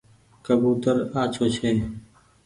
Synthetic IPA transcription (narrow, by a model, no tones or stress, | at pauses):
kəbuːt̪əɾaːt͡ʃʰoːt͡ʃʰeː